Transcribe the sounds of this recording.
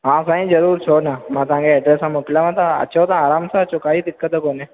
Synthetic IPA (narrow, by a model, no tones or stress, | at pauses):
ɦãːsaːĩd͡ʒɐɾuːɾt͡ʃʰoːnamãt̪ãːŋɡeɛɖɾeːsɦãmokɪlamãt̪ãɐ̰tːʃʰaoːt̪ãːɾaːmsat͡ʃʊkaːid̪ɪkːət̪ɐkoːne